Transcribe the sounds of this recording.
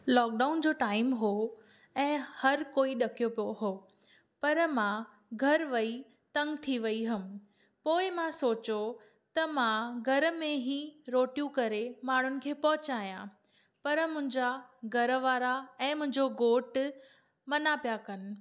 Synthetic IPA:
lɔːk̚ɖaːʊnd͡ʑoːʈaːɪmɦo | ɛ̃ːhɐɾkoːiɗɐkijopijoɦoː | pɐɾmã | ɡʱɐɾʋɐi | t̪ɐ̃ŋɡt̪ʰiʋɐiɦɐm̆ | poːɪmãsoːt͡ɕo | t̪ɐmãɡʱɐɾmẽɦĩɾoːʈjũkɐɾemaːɳ̤ʊnɪ̆kʰeːpɐɦʊt͡ɕaːijã̰ | pɐɾmʊ̃ɦɪ̃ɲd͡ʑaɡʱɐɾʋaːɾaɛ̃ːmʊ̃ɦɪ̃ɲd͡ʑoɡoːʈ | mɐnapijakɐnɪ̆

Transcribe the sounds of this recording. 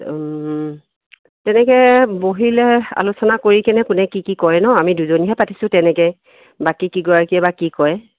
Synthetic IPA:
tɛnɛkɛboɦilɛa̰lusɔnakoɹikɛnɛkʊnɛkikikɔjnɔamiduzoniɦɛpati̥sʊ̃tɛnɛkɛ | bakikiɡɔjakiɛbakikɔjɛ

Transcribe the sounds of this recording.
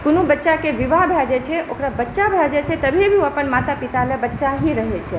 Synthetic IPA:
kʊnũbətːʃakeʋiʋabʱjad͡ʒet͡ʃʰeʔokɾabətːʃabʱjad͡ʒet͡ʃʰet̪əbʱiebʱiuapənmat̪apit̪aləbətːʃaɦiɾəɦet͡ʃʰe

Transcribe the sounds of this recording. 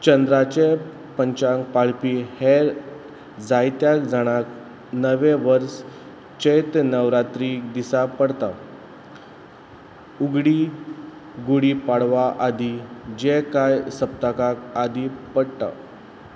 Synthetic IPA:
t͡ɕənd̪ɾat͡ɕe | pəɲt͡ɕaŋkpaɭpiːheɾ | d͡zajt̪jakd͡zaɽ̃ak | nəʋeʋəɾs | t͡ɕejt̪nəʋɾat̪ɾid̪isapəɽt̪a | uɡɽiː | ɡuɽipaɽʋaʔad̪id͡ʑekajsəp̚t̪akakad̪ʱipəɽt̪a̰

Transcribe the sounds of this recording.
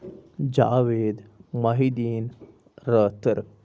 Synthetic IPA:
d͡ʑaːʋeːd̪mɐɦid̪iːn | ɾəːt̪əɾ

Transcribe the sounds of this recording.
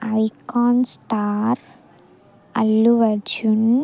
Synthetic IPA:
ɐjkaːnsʈaːɾ | ɐ̰lːuʋɐd͡ʒun

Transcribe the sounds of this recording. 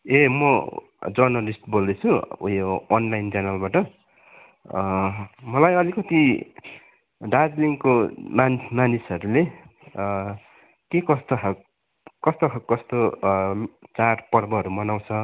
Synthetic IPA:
emʌ | d͡zʌrnʌlisʈbold̪et͡sʰuujoːnlajnt͡sanʌlbaʈʌ | mʌlajʌlikʌt̪i | ɖad͡zliŋkomanismanisʌɾule | kekʌst̪oɦak | kʌst̪oɦʰakkʌst̪o | t͡sarpʌɾbʌɦʌɾumʌnaw̃t͡sʰʌ

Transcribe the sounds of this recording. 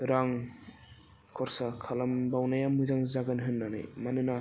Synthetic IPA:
ɾaŋ | kʰɔɾsakʰalambawnajamɯzaŋzaɡanɦɯnːanɯ̰jmanɯna

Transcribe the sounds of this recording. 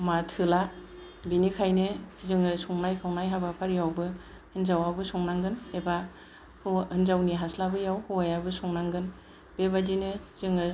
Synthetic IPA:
matʰɯla | binikʰajnɯzɯŋɯsuŋnajkʰawnajɦabapʰaɾjawbɯ | hɯnzawabɯsuŋnaŋɡɯneba | huhɯnzawniɦaslabɯjawhuajabɯsɔŋnaŋɡɯn | b̥ebadinɯz̥ɯŋɯ

